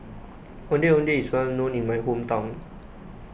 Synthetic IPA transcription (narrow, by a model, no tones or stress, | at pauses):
ondiondiismanunimajkʰumt̪ɔŋ